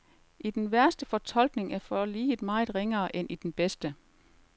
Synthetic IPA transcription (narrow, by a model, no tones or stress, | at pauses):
ʔid̥enʋæɐsd̥əfɒ̽t͡sʰɒ̽l̰ɡ̥ne̝ŋæɐfɒliːe̝d̥mɑ̈ːð̩ˠʁeŋɐːʔenʔid̥enb̥esd̥ə